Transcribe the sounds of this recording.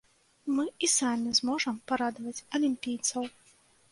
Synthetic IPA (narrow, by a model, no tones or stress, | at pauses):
mɨisamʲizmɔʐɐmpaɾad̪vɐt͡sʲɐlʲimʲpʲijt̪sɐw